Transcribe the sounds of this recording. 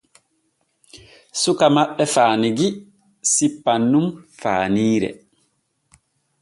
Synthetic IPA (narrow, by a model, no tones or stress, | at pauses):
sukamaɓːɛfaːniɡi | sipːanːumfa̰ːniːɾɛ̰